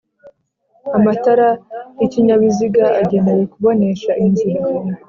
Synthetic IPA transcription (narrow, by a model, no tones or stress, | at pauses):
amataɾajiciɲaβiziɡaʔaɟe̞ne̞we̞kuβo̞ne̞ʃaʔinzuɾu